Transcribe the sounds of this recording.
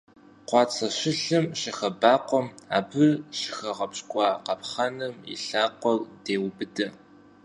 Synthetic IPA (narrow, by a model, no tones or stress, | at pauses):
qʷɑːt͡sʰɐɕɪɬɨmɕɪxɐbaːqʷɔma̰ːbɨrɕɪ̥xɐʁɐpɕʼkʷʼɑːqɐpχɐnɨmḭɬaːqʷɔld̥eːwbɨdɐ